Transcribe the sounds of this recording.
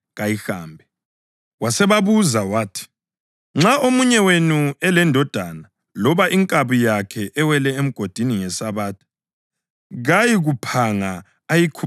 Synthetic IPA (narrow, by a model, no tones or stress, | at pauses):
ɣajixa̰ːmbʱɛ | wasɛβaβuzawaːtʰi̥ | ŋ͡ǁaʔomuɲɛwenuɛlɛndʱɔd̥ʱana | lɔβaʔiŋkʼaβujakʰɛʔɛwɛlɛem̩ɡ̥ʱod̥ʱiniŋɛsaβaːtʰ | ɣajiɣupʰaŋa | ajikʰu